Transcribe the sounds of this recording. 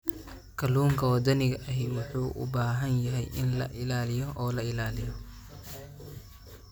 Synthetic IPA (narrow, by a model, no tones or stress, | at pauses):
kʰɐluːŋkʰɐwɐd̪ɐnɪɣɐʔɐɦɪwʊħuːʔʊ̰baːɦɐnjɐɦɛjʔɪ̰nlɐ̰ʔɪlaːlɪjɔʔɔːlɐɪlaːlɪjɔ